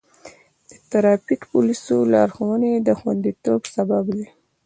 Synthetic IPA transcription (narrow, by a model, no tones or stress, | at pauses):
d̪̥ət̪aɾɑpikpulisolɑɾxawəned̪əxwand̪it̪obsababd̪i